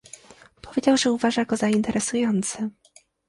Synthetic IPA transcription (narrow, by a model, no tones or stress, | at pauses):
pʰɔvʲed͡ʑawʐɛuvaʐajakɔzaint̪ɛɾɛsujɔnt̪sɛ